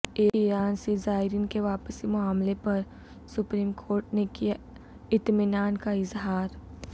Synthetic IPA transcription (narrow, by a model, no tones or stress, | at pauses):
iːiːɾaːnsezaːɪɾinkeʋaːpəsimʊaːmlepɐɾ | sʊpɾiːmkʰoːɾʈnekija | ɪt̪mɪnaːnkaɪzɦaːɾ